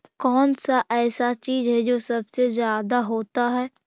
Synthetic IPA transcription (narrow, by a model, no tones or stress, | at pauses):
kɔːnsaʔɛːsat͡ʃiːzɦɛd͡ʒoːsɐbsezjaːd̪aɦoːt̪aɦɛː